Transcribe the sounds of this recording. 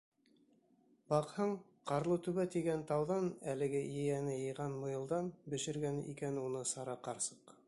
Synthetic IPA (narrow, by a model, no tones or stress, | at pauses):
bɑqhɤɴ | qɑɾlˠɤt̪ʉβæt̪iɡænt̪ɑwðɑnælɘ̆ɡɘjɘ̆jænɘjɤ̆jʁɑnmŏjɤ̆lˠd̪ɑnbɘ̆ʃɘ̆ɾɡænɘʔikænunɤsɑɾɑqɑɾsɤ̥q